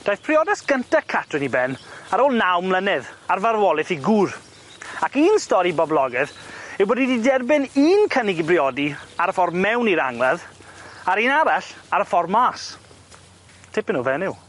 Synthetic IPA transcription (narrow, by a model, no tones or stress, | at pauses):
d̥ajθpʰrɪɔdasɡ̥əntakʰatʰrɪnibɛnaɾoːlˠnawmlˠənɪðarvaɾwɔlˠɪθiɡur | akiːnstɔɾibɔblˠɔɡɨðɪwboːdididɛrbɪniːnkʰənɪɡibrɪɔdiaɾəfɔrmːɛwniɾa̰ŋlaðaɾiːnaɾaɬaɾəfɔrmːaːs | tʰɪpɪnuːvɛnɪw